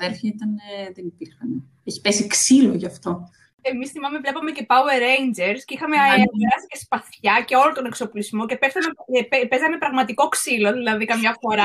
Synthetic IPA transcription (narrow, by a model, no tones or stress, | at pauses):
eɾçɐit̪ɐneðenipiɾxɐne | eçi̥pesiksiloʝɐft̪o̞ | emisθimɐme̞vle̞pɐme̞ce̞pɐueɾejnd͡ʒeɾsceixɐmeeɾɐsi̥ce̞spɐθçɐce̞o̞lont̪o̞ne̞kso̞pulizmo̞ce̞pesɐneepezɐnepɾɐɣmɐt̪iko̞ksilo̞ðilɐðikɐmɲɐfo̞ɾɐ